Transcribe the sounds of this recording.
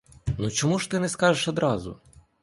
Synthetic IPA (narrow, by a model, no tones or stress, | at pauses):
nut͡ʃɔmuʃt̪ɪnɛskɑʒeʃɔd̪ɾɑzʊ̰